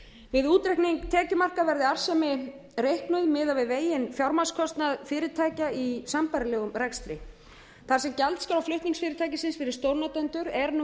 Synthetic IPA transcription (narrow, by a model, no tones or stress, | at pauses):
vɪðuːt̪ɾɛhkniŋkt̪ʰɛːcʏmar̥kavɛɾðɪar̥sɛmɪ | rejhknʏðmɪːðavɪðveːjɪnfjawɾmaskʰɔst̪naðfɪːɾɪt̪ʰaːjcaisampaɾɪlɛːɣʏmrɛkst̪ɾɪ | θaɾ̥sɛmcalt̪skaɾawflʏht̪niŋsfɪːɾɪt̪ʰaːjcɪsɪnsfɪɾɪɾ̥st̪owɾnat̪ɛnt̪ʏɾɛɾnu